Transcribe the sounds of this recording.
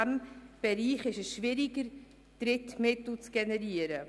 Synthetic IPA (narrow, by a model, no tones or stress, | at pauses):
ɛmb̥ɛɾiːχɪʃəsʃvɪɾɪɡəɾ | d̥ɾɪtmɪtl̩t͡sɡ̥ɛnɛɾiːəɾə